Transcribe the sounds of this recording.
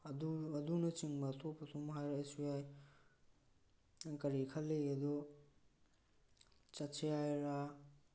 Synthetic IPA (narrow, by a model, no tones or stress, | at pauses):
ɐduɐdunɐt͡ʃiŋbɐt̪ʰopːɐtʰomɦajɾaesujaj | kɐɾikʰɐlːejɡɐdo | t͡ʃɐt͡ʃʰejajɾa